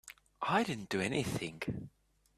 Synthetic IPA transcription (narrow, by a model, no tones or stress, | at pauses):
ʔaɪdɪdⁿn̩d̥ɨɛniθɪ̃ŋɡ